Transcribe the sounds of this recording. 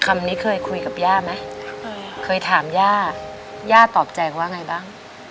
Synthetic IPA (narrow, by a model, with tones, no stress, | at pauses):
kʰa˧mniː˦˥kʰɤː˧jkʰu˧jka˨˩p̚jaː˥˩ma˦˥ | kʰɤː˧jt̪ʰaː˩˦mjaː˥˩ | jaː˥˩t̪ɔː˨˩p̚t͡ɕa˧jwaː˥˩ŋa˧jbaː˥˩ŋ